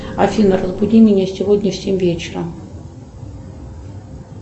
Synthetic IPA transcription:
ɐfʲinərəzbʊdʲimʲɪnʲəsʲɪvodʲnʲəfsʲemʲvʲet͡ɕɪɾəm

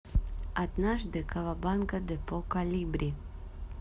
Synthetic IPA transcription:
ad̪naʒd̪ɛkavabankad̪ɛpokalʲibɾʲi

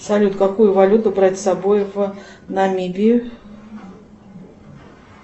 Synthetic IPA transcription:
salʲut̪kakujʊvalʲut̪ʊbɾat͡sʲsabojv | nɐmʲibʲi

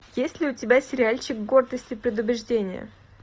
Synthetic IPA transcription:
jesʲlʲɪʊtʲɪbʲasʲɪɾʲɪalʲt͡ɕɪkɡo̞rd̪əsʲtʲɪpɾʲɪd̪ʊbʲɾʲɪʐdʲenʲɪ̰jə̰

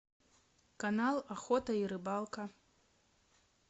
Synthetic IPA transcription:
kanalˠaxɔt̪ɐiɾɨbalˠkɐ

